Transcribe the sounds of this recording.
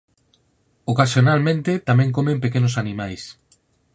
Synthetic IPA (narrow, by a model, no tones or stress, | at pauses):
okasjonalmẽnt̪et̪amẽŋkomẽmpekenosanĩmajs